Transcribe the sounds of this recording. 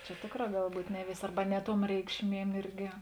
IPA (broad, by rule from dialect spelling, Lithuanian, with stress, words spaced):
t͡ʃʲɛ ˈtʲeːkˌrɑː ˈɡɐlˠ ˈbuːtʲ ˈnʲɛ ˈʋʲeːsʲeː ˈɐrbɐ ˈnʲɛ ˌtuɔm ˈrʲɛɪkʃʲˌmʲiɛm ˈɪrʲɡʲɪ